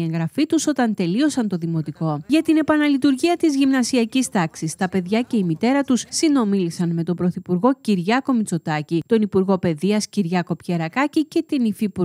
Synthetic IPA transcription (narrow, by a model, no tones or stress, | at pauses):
e̞ŋɣɾɐfit̪uso̞t̪ɐnt̪e̞lio̞sɐnt̪o̞ðimo̞t̪iko̞ʝɐt̪ine̞pɐnɐlit̪uɾʝiɐt̪izʝimnɐsiɐcist̪ɐksist̪ɐpe̞ðʝɐce̞imit̪e̞ɾɐt̪ussino̞milisɐnme̞t̪o̞bɾo̞θipuɾɣo̞ciɾʝɐko̞mit͡so̞t̪ɐcit̪o̞nipuɾɣo̞pe̞ðiɐsciɾʝɐko̞pçeɾɐkɐcice̞t̪inifipu